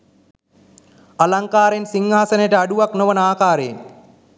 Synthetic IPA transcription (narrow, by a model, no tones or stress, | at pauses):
alaŋkaːɾensiŋɦaːsɐnejʈəaɖuʋaknoʋənəaːkaːɾeːm